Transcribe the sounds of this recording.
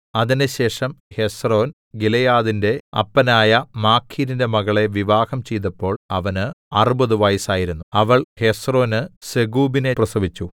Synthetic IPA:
ɐðinɨɕe̞ːʂɐmhe̞sro̞ːn | ɡilɐjaːðinde̞ɐ̰pːɐnaːjɐmaːkʰːiːɾinde̞mɐɣɐɭe̞ʋiʋaːhɐmt͡ɕe̞jt̪̬ɐpːo̞ːɭɐʋɐnɨɐrubɐðuʋɐjsaːjiɾunːuɐʋɐɭhe̞sro̞ːnɨseɡuːbine̞prɐsɐʋit͡ɕːu

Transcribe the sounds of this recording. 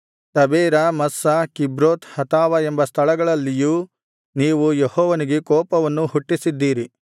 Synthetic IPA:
t̪ɐbeːɾɐmɐsːɐkibɾoːt̪hɐt̪aːʋɐembɐst̪ʰɐɭɐɡɐɭɐlːijuː | niːʋujehɔːʋɐniɡekɔːpɐʋɐnːuhuʈːisid̪ːiːɾi

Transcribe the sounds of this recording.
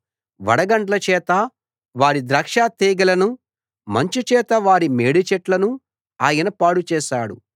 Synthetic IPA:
ʋɐ̰ɽɐɡɐɳʈɐlɐt͡ʃɛːt̪ɐ | ʋaːɾid̪ɾɐkʂaːt̪eːɡɐlɐnu | mɐɲt͡ʃut͡ʃɛːt̪ɐʋaːɾimeːɽit͡ʃɛʈlɐnu | aːjɐnɐpaːɽut͡ʃɛːʃaːɽṵ

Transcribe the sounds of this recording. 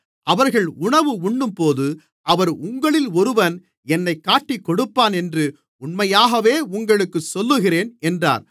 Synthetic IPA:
ʔɐʋɐɾɣɐɭʊɳɐʋɯʊɳːɯmpoːðɯ | ʔɐʋɐɾʊŋɡɐɭɪlɔɾɯʋɐn | ɛnːɐɪkːaːʈːikːɔɽɯpːaːnɛndrɯ | ʊɳmɐjaːɣɐʋeːʊŋɡɐɭɯkːɯsɔlːɯɣɪreːnɛndra̰ːɾ

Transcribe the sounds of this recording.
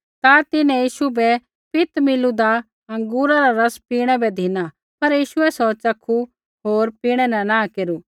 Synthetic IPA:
t̪at̪ɪnɛ̃jiːʃubɛ | pɪt̪mɪlud̪a | ɐ̃ŋɡuːɾaɾaɾɐspiːɽ̃ɛbɛd̪ʱina | pɐɾjiːʃʊɛsɔt͡ʃɐkʰu | ɦoːɾpiːɽ̃ɛnɛnãkeːɾu

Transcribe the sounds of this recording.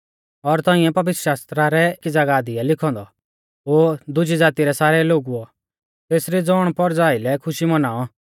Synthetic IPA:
ɔɾt̪ɔ̃ːɪ̃ɛ̃pɐʋɪt̪ɾə̥ʃaːst̪ɾaɾɛkid͡zaɡaːd̪iɛlɪkʰɔ̃ːnd̪ɔ | oːd̪ʊd͡ʒid͡zaːt̪iɾɛsaːɾɛloːɡuɔ | t̪eːsɾid͡zɔːɽ̃pɔɾd͡zaːɪlɛkʰʊʃimɐnaːɔ

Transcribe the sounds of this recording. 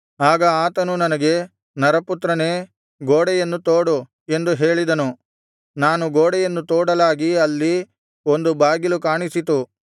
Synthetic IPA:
aːɡɐaːt̪ɐnunɐnɐɡe̞ | nɐɾɐput̪ɾɐneː | ɡoːɽɛjɐnːut̪oːɽu | e̞nd̪uɦe̞ːɭid̪ɐnu | naːnuɡoːɽɛjɐnːut̪oːɽɐlaːɡiɐlːi | o̞nd̪ubaːɡilukaːɳisit̪u

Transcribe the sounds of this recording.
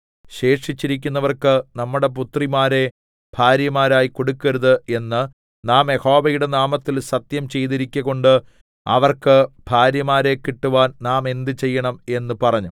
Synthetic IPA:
ɕe̞ːʂit͡ɕːiɾikʲːunːɐʋɐrkɨnɐmːuɽe̞p̬ut̪rimaːɾe̞ | b̥ʱaːɾjɐmaːɾaːjiko̞ɽukːɐɾuðɨe̞nːɨ | naːmeho̞ːbɐjuɽe̞naːmɐt̪ːilsɐt̪jɐmt͡ɕe̞jðiɾikʲːɐɣo̞ɳɖɨ | ɐ̰ʋɐrkɨb̥ʱaːɾjɐmaːɾe̞kːiʈːuʋaːnnaːme̞nd̪ɨt͡ɕe̞jːɐɳɐme̞nːɨpɐrɐɲːu

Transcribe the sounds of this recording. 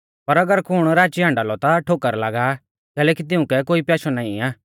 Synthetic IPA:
pɐɾɐɡəɾkʰʊɽ̃ɾaːt͡ʃiɦãːɳɖaːlɔt̪aʈʰoːkəɾlaːɡa | kɛːlɛːkit̪̬ɪũkɛkoːipjaːsɔnaːĩaː

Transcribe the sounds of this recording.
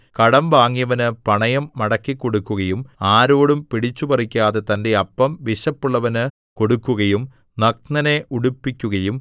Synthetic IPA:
kɐɽɐmʋaːŋːijɐʋɐnɨpɐɳɐjɐmːɐɽɐkːikːo̞ɽukːuɣɐjumaːɾoːɽumpiɽit͡ɕːupɐrikʲːaːðe̞t̪ɐnde̞ɐpːɐmʋiɕɐpːuɭːɐʋɐnɨ | ko̞ɽukːuɣɐjum | nɐk̚nɐne̞ʔuɽupːikʲːuɣɐjum

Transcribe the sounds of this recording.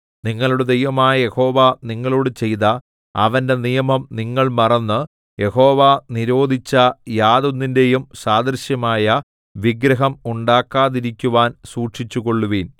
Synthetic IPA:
niŋːɐɭuɽed̪ejʋɐmaːjɐje̞ho̞ːʋaniŋːɐɭoːɽɨt͡ɕe̞jt̪ɐ | ɐ̰ʋɐnde̞nijɐmɐmniŋːɐɭmɐrɐnːɨ | je̞ho̞ːʋaniɾo̞ːd̪ʱit͡ɕːɐjaːd̪unːinde̞jumsaːd̪ɐɾɕjɐmaːjɐ | ʋiɡɾɐɦɐmuɳɖaːkːaːðiɾikʲːuʋaːnsuːʈʂit͡ɕːuɣo̞ɭːuʋiːn

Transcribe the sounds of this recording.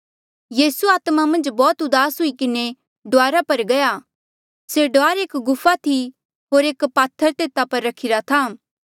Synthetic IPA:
jiːsuaːt̪mamɐ̃nd͡ʒbɔːt̪ʊd̪aːsɦʊikɪne | ɖʊaːɾapɐɾɡɐja | seɖoaːɾeːkɡʊfat̪ʰi | ɦoːɾeːkpaːt̪ʰːəɾt̪eːt̪apɐɾːɐkʰɪɾat̪ʰaː

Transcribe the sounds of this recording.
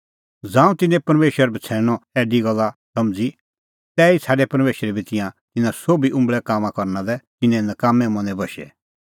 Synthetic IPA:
d͡zãːũt̪ɪnɛ̃pɐɾmeːʃwəɾbʱɐt͡sʰɛːɽ̃ɔɛːɖiɡɐlːasɐmd͡zi | t̪ɛːisʰaːɖɛpɐɾmeːʃɾɛbʱit̪ɪ̃jãt̪ɪnãsoːbiʔʊ̃mbɭɛkaːmãkɔɾnad̪ɛt̪ɪnɛ̃nɐkaːmɛ̃mɐ̃nɛ̃bɐʃɛ̰

